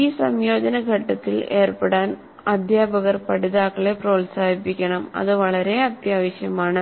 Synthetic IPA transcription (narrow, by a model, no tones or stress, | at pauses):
iːsɐmjoːd͡ʒɐnɐɡʱɐʈːɐt̪ːɪleːrpɐɽaːn | ɐd̪ʱjaːbɐɣɐɾpɐɽɪðaːkːɐɭepɾoːlsaːɪpːɪkʲːɐɳɐmɐ̰ðɯʋɐɭɐɾeːɐd̪jaːʋɐʂɐjɐmaːnɐ